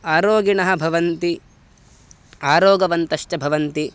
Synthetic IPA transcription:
aːɾoːɡiɳɐɦɐ̆bʱɐʋɐnt̪i | aːɾoːɡɐʋɐnt̪ɐʃʈɐbʱɐʋɐnt̪i

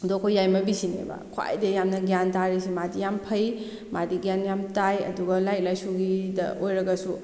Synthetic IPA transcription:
dokʰojːajmɐbisinḛbɐ̰kʰoa̰jdɐjamnɐɡjantaɾisimadijampʰɐj | madiɡjanjamtajɐ̰duɡɐlajk̚lajsuɡidɐʔojɾɐɡɐsu

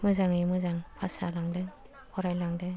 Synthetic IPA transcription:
mɯzaŋɯmɯzaŋpʰasalaŋdɯŋ | pʰɔɾajlaŋdɯŋ

